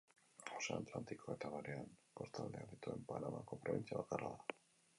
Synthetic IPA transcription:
osaːt̪lant̪iko̞et̪aβaɾeanpo̞ɾt̪ald̪eaβet̪ue̞mpanamako̞pɾo̞βint͡siaβakaraða

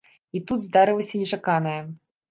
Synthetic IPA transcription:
it̪ud̪zd̪aɾɨlˠɐsʲɐnʲɛt͡ʂakanɐjɐ

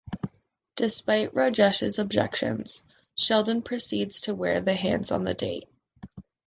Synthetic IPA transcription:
d̥ɨspaɪʔɹod͡ʒɛʃɨ̰zəb̚d͡ʒɛ̰kʃɨ̰̃nz̥ | ʃɛlˠd̃n̩pʰɹ̥ɨsidz̥tʰɨwɛɹðɨɦæ̰̃ndz̥n̩ðɨ̰dḛɪt̚

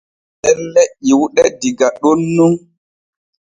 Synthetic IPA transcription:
ɗɛnlɛʔːiwuɗɛdiɡaɗonːu

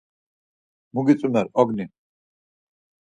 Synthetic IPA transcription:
muɡit͡sʼunaɾɔɡni

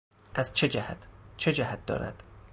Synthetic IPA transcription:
ʔæzt͡ʃʰed͡ʒæhæt̪ʰt͡ʃʰed͡ʒæhæt̪̚d̪ɒ̰ːɾæ̰d̪̥

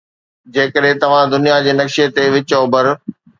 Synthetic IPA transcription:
d͡ʑeːkəɗɦɪ̃t̪ɐʋ̤ãd̪ʊnijad͡ʑeːnɐkʃiət̪eʋɪt͡ɕobɐɾ

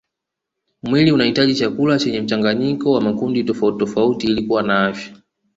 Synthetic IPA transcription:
mwiliunahitaʄit͡ʃakulat͡ʃɛɲɛm̩t͡ʃaŋɡaɲikɔwamakunditɔfauttɔfautilikuwanaafjḁ

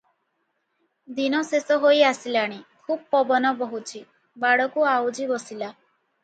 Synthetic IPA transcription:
d̪inɔsesɔɦojasilaɽ̃ikʰub̚pɔbɔnɔbɔɦut͡ʃʰi | baɽɔkuawd͡ʒibɔsila

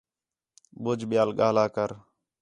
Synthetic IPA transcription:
ɓʊd͡ʒɓɪjaːlɡaːlaːkəɾ

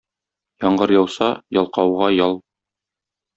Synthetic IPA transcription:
jɒɴɢɤɾjɒwsɑjɒlˠqɑwʁɑjɒlˠ

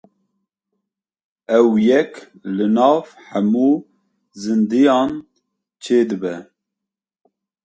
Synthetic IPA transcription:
ɛwjɛk | lɨnɑːvħæmuː | zɨnd̪ɨjɑːn | t͡ʃʰeːd̪ɨbɛ

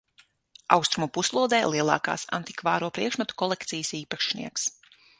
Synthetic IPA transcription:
a̰wst̪ɾumupuslˠuɔd̪ɛːlˠiɛlˠɑ̰ːka̰ːsa̰nt̪i̥kvaːɾuɔpɾiɛkʃmat̪u̥kɔlˠɛkt̪sijəsiːpaʃnḭɛks

